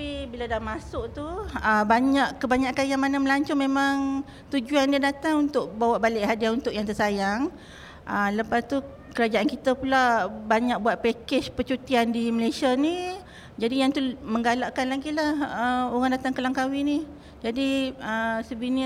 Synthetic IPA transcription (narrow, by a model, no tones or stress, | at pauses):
pibiladamasʊʔt̪uəbaɲaʔkəbaɲaʔkanjaŋmanaməlaɲt͡ʃʊmẽmaŋ | t̪ud͡ʒuandiadat̪aŋunt̪ʊʔbawaʔbalɪʔɦadiaunt̪ʊʔjaŋt̪əsajaŋ | ʔələpast̪u | kəɾad͡ʒaʔankit̪əpulabaɲak̚buat̪̚pɛked͡ʒpət͡ʃut̪iandiməlasiani | d͡ʒadijaŋt̪uməŋɡalaʔkanlaɡiʔ̪lahəoɣaŋdat̪aŋkəlaŋkawini | d͡ʒadiəsəbini